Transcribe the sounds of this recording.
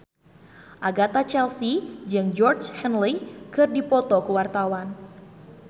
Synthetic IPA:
ʔaɡat̪at͡ʃɛlsid͡ʒɨŋd͡ʒɔrd͡ʒhɛnlikɨrdipɔt̪ɔkuwart̪awan

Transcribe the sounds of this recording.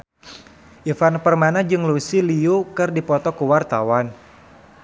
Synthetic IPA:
ʔifanpərmanad͡ʒɨŋlusiliukɨrdipɔt̪ɔkəwart̪awan

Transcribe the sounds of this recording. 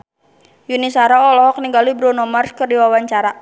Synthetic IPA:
junisaɾaɔlɔɦɔk̚niŋɡalibɾɔnɔmarskərdiwawaɲt͡ʃaɾa

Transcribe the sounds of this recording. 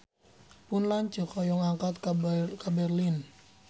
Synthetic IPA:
pʊnlaɲt͡ʃə̤kɔjɔŋaŋkat̪kkabɛrlin

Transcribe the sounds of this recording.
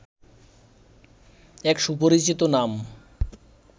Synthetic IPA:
ɛkʃupoɾit͡ɕit̪onam

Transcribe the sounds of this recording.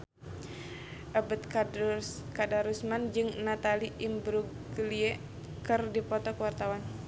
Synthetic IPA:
ʔabət̪ | kadaɾusmand͡ʒɨŋnat̪aliʔimbɾuɡ | liɛ | kɨrdipɔt̪ɔkəwart̪awan

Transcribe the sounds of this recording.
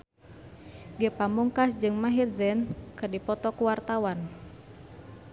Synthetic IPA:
ɡəpamuŋkasd͡ʒɨŋmaɦirzɛnkɨrdipɔt̪ɔkuwart̪awan

